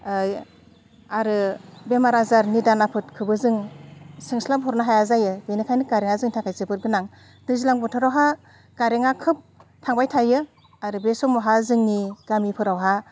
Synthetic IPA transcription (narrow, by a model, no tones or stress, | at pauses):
j | aɾɯbemaɾazaɾnidanapʰɯtkʰɯbɯzɯŋsɯŋslabʰʱɔɾnaɦajazajɯbenikʰajnikaɾeŋazɯŋtʰaŋkʰajzɯbɯt̚ɡɯnaŋ | dɯzilaŋbɔtʰɯɾawɦa | kaɾeŋakʰɯp̚tʰaŋbajtʰajɯ | aɾɯbesɔmɔɦazɯŋniɡ̥amipʰɯɾawɦa